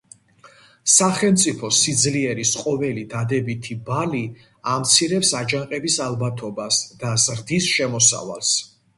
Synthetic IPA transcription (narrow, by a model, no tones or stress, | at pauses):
saχɛlˠmt̪sʼipʰɔsid̪zliɛɾisqʼɔvɛlid̪ad̪ɛbit̪ʰibali | amt̪sʰiɾɛpsad͡ʒaŋqʼɛbisalˠbat̪ʰɔbasd̪̥azɾd̪isʃɛmɔsa̰va̰lˠs